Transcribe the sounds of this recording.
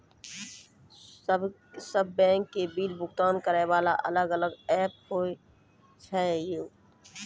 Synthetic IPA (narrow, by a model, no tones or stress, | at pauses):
səbːɛ̃ːŋkːebiːlbʊkt̪aːnkəɾeʋaːla̰ʔɐ̰ləɡələɡɛːp̚hoːi | t͡ʃʰaejoː